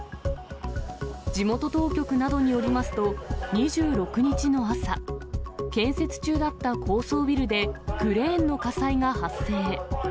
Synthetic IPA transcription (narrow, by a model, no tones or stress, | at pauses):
d͡ʑimo̞t̪o̞t̪o̞ːkʲo̞kɯ̟nad̪o̞ɲ̟ijo̞ɾʲimasɨ̥t̪o̞ɲ̟iʑɨːɾo̞kɯ̟ɲ̟it͡ɕino̞asa | kẽ̞ɰ̃se̞t͡sɨ̥t͡ɕɨːd̪at̪ːakʰo̞ːso̞ːbʲiɾɯ̟d̪e̞kɯ̟ɾẽ̞ːnːo̞kasaiŋahasːe̞ː